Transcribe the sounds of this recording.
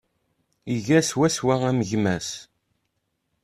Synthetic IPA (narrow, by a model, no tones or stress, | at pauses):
iʝæswæswææməʝmæs